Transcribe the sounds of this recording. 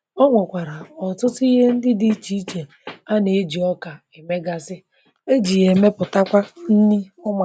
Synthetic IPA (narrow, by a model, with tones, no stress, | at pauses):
ɔ˦ŋʷɔ˨kʷa˨ɾa˨ɔ˨tʊ˦tʊ˦i˦ɦe˦n̩˦dɪ˦di˦t͡ʃi˨˦t͡ʃe˨ | a˦ne˨˦d͡ʒi˨ɔ˦ka˨e˨me˦ɡa˨sɪ˦ | e˦d͡ʒi˨ɣe˨me˦pʊ˨ta˦kʷa˦n̩˦ni˦ʊ˦ma˨